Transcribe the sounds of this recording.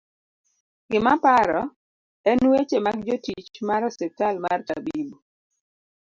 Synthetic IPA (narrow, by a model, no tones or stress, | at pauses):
ɡɪmapaɾɔ | ɛnwet͡ʃemaɡd͡ʒotit͡ʃmaɾɔsɛtalmarta̰bibo